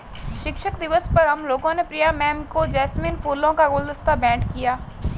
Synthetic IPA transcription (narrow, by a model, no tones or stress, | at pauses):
ʃɪkʃəkd̪ɪʋəspəɾɦəmloːɡõːneːpɾijaːmɛ̃ːmkoːd͡ʒɛːsmɪnpʰoːlõːkaɡoːld̪əst̪aːbɛ̃ːɳʈkɪjaː